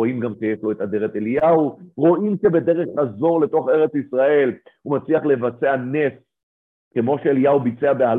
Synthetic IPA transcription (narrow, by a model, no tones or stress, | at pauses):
oimɡamʃejeʃlo̞et̪ad̪eʁet̪elijauʁo̞ʔimʃebe̞d̪e̞ʁeχazo̞ʁle̞t̪o̞χe̞ʁet͡sisʁae̞lhumat͡sliaχle̞vat͡seanes | ke̞mo̞ʃeeliaubit͡se̞abeal